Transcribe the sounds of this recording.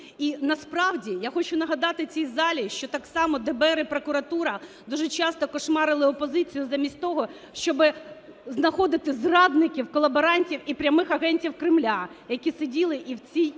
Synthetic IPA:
inɐspɾɑwdʲijaxɔt͡ʃʊnɐɦɐd̪ɑt̪ɪt͡sʲijzɑlʲiʃt͡ʃɔt̪ɑksɑmɔd̪ɛbɛɾɪpɾɔkʊɾɐt̪uɾɐ | d̪uʒɛt͡ʃɑst̪ɔkɔʃmɑɾɪlˠɪɔpɔzɪt͡sʲijʊzɐmʲisʲtʲt̪ɔɦɔ | ʃt͡ʃɔbɪ | znɐxɔd̪ɪt̪ɪzrɑd̪nɪkʲiwkɔlˠɐbeɾɑnʲtʲiwipɾʲɐmɪxɐɦɛnʲtʲiwkɾɪmlʲajɐkʲisedʲilˠɪʔiwt͡sʲij

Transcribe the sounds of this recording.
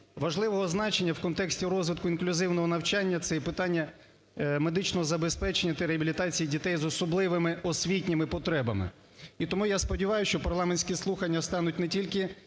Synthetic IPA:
ʋɐʒlˠɪʋɔɦɔznɑt͡ʃenʲːɐwkɔnt̪ɛksʲtʲirɔzʋɪt̪̚kʊinklʲʊzɪwnɔɦɔnɐwt͡ʃanʲːɐt̪sɛɛpɪt̪ɑnʲːɐ | me̞d̪ɪt͡ʃnɔzɐbespɛt͡ʃenʲɐt̪ɪɾeɦɐbʲilʲit̪ɑt͡sʲijidʲit̪ɛjzɔsɔblˠɪʋɪmɪɔsʲʋʲitʲnʲɪmɪpɔt̪ɾɛbɐmɪ̰ | it̪ɔmujaspɔdʲiʋɑjʊʃt͡ʃɔpɐrlˠɑmenʲsʲkʲislˠuxɐnʲːɐst̪ɑnʊtʲnɛtʲilʲkɪ

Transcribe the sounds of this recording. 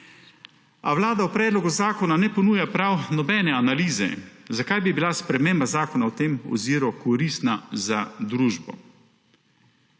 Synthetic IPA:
awlaːd̪awpɾɛːd̪lɔɡuzaːkɔnanɛpɔnuːjapɾawnɔbɛːnɛanaliːzɛ̰zakajbibilaspɾɛmembazaːkɔnawt̪eːmɔ̰ziːɾɔkɔɾiːst̪nazad̪ɾuːʒbɔ̰

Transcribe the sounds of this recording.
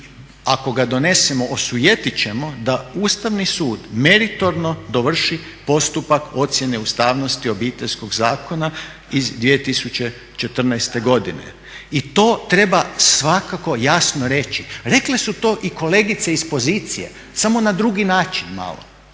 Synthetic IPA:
ako̞ɡad̪o̞ne̞semo̞ʔosujet̪it͡ɕe̞mo̞d̪auːst̪aʋnisuːd̪me̞ɾit̪o̞ɾno̞d̪oʋr̩ʃi | po̞st̪upako̞t̪sjene̞ust̪aːʋno̞st̪io̞biːt̪e̞ʎʲsko̞ɡzaːkona | izd̪ʋijet̪isut͡ɕe̞ | t͡ʃe̞t̪r̩najst̪e̞ɡo̞d̪inḛ | it̪o̞ːt̪ɾe̞basʋakako̞jasnoɾe̞t͡ʃiɾe̞kle̞sut̪o̞ːʔiko̞le̞ːɡit̪seispo̞ziːt̪sije̞̰ | samo̞nad̪ɾuɡinaːt͡ʃinma̰lˠo̰

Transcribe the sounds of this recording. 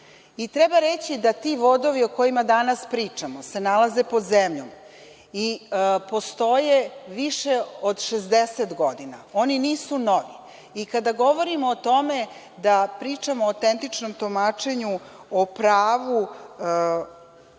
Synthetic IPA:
it̪ɾebaɾet͡ɕid̪at̪iʋo̞d̪o̞ʋio̞ko̞jimad̪anaspɾiːt͡ʂamose̞nalazepo̞d̪zemʎom | ipo̞st̪o̞jeʋiʃeod̪ʃezd̪eset̪ɡo̞d̪inao̞niniːsunoʋi | ikad̪aɡo̞ʋo̞ɾimoːt̪o̞me̞ | d̪apɾiːt͡ʂamot̪ent̪it͡ʂnomt̪omat͡ʂe̞ɲuopɾaːʋu

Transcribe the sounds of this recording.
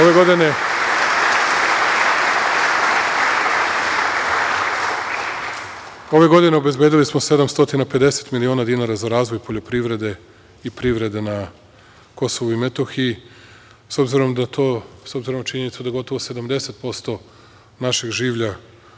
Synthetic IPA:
oʋeɡod̪ine | o̞ʋe̞ɡo̞d̪ine̞obe̞zbjed̪ilismo̞se̞d̪amst̪o̞t̪inape̞d̪e̞se̞̥t̪milionad̪inaːɾazaɾaːzʋo̞jpo̞ʎo̞pɾiʋɾe̞d̪e̞ | ipɾiʋɾe̞d̪e̞na | ko̞soʋuime̞t̪o̞xii | so̞bziɾo̞md̪at̪ʰoːso̞bziɾo̞mnat͡ʃiɲe̞nit̪sud̪aɡo̞t̪o̞ʋo̞se̞d̪amd̪e̞se̞t̪̚po̞st̪o̞ | naʃeɡʒiːʋʎa

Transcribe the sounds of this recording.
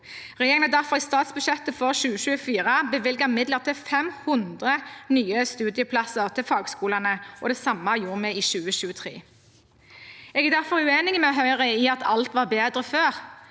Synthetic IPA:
ʁɛjeːʁɪŋnəd̪æʁfɔʁɪst̪ɑːt̪sbʉʃɛt̪əfɔʁʃʉːəʃʉːəfiːʁəbəʋɪlɡəʁɪmɪd̪ləʁt̪ʰɪfɛmhʊnd̪ʁənyːəst̪ʉːd̪ɪjəpʰlɑsəʁt̪ʰɪlfɑːɡskuːlɑnəʔɔd̪ɛsɑmːɑjuːʁmɛiːʃʉːəʃʉːət̪ʰʁḛː | ɛɡɛd̪æʁfɔɾʉeːnɪɡmɛɔɦœʏʁəiːɑt̪ʰɑ̰lt̪ʋɑːʁbeːd̪ʁəføːʁ

